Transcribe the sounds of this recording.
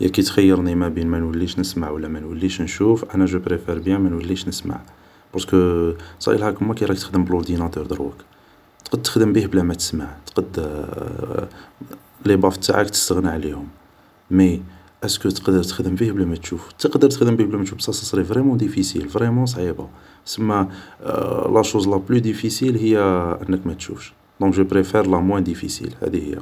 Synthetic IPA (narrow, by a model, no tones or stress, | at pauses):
jʔæ̰kæt̪xæjːəɾˤnimæbinmænwəlːiʃnəsmaʕwəlːæmænwəlːiʃnʃufʔænæʒupɾefeɾbjæmənwəlːiʃnəsma̰ʕ | bɑɾˤskəsˤɑ̰jəlækəmækajɾˤɑk̚t̪əxd̪əmbəloɾd̪inɑt̪uɾd̪əɾwə̰k | t̪qd̪̚t̪ːə̥xd̪əmbihblæmæt̪ə̥smaʕt̪qɑd̪ | libɑfə̥t̪ːa̰ʕakt̪ə̥st̪əɣniʕlihʊm | mi | ʔæskət̪ə̥qd̪əɾt̪ə̥xd̪əmbihblæmæt̪ʃuft̪əqd̪ːəɾt̪əxd̪əmbihblæmæt̪ʃufsɑsəsˤɾifvɾɛmɑ̃d̪ifisḭlvɾemɑ̃s̬ˤʕiba̰ | səmːæ | læʃuzlɑblyd̪ifisilhəjːæʔənːəkmæt̪ʃṵfʃ | d̪ɔ̃kʒupɾefɛɾlæmwæ̃d̪ifḭsḭlhæ̰d̪ihəjːæ̰